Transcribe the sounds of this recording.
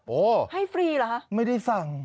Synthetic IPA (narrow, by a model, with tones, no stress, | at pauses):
ʔoː˧˩ha˥˩jfɾiː˧la˦˩kʰa˦˥ʔma˥˩jda˥˩jfa˨˩ŋ